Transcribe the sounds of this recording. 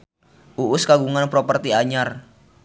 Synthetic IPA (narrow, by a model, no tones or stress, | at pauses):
ʔuʔʊskaɡuŋanpɾopərt̪iaɲar